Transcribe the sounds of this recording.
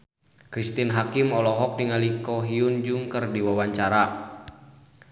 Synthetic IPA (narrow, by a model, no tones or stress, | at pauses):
kɾist̪inɦakimɔlɔɦɔk̚niŋalikɔɦiund͡ʒuŋkərdiwawaɲt͡ʃaɾa